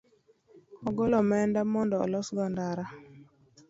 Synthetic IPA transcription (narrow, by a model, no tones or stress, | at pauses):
ɔɡɔlɔmɛndamɔndɔɔ̰lɔsɡɔndaɾa